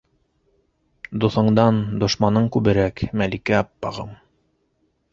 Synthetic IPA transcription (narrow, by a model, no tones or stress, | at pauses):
d̪oθɤ̆ɴd̪ɑnd̪ŏʃmɑnɤɴkʉβɘ̆ɾækmælikæɑpːɑʁɤ̰m